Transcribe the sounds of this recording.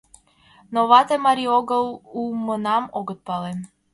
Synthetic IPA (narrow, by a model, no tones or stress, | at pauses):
novat̪ɛmaɾioɡəlˠumənamɔɡət̪̚palɛ